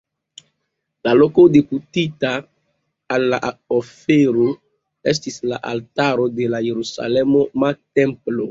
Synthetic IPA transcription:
laloko̞deputitaː | lːaofeɾo | e̞s̬tisla̰ʔa̰ltaɾo̞de̞laje̞ɾusa̰lemo̞matemplo

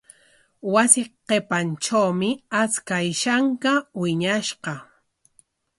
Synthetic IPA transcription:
wasɪqepant͡ʃawmɪat͡skajʃaŋkawɪɲaʃqɑ

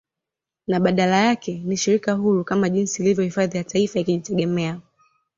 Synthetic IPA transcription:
naɓaɗalajakɛniʃiɾikaɦuɾukamaʄinsiːlivjɔhifaðijataifaikiʄitɛɡɛmɛa

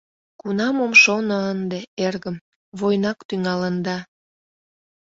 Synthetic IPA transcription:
kunɑmomʃonoənd̪eerɣəm | βojnɑkt̪yŋɑlənd̪ɑ

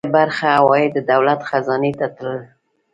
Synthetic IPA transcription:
baɾxawɑjed̪əd̪awlat̪xazɑnet̪at̪ləl

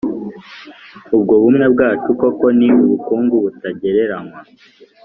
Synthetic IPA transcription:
ubɡo̞βumŋe̞bɡaːt͡ʃuko̞ko̞niuβukuːŋɡuβutaɟe̞ɾe̞ɾaŋwa

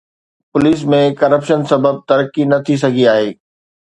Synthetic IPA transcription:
pʊliːs̬mẽkɐɾəpʃənsɐbəb̚t̪ɐɾəkinɐt̪ʰis̬ɐɡʱiaːɦeː

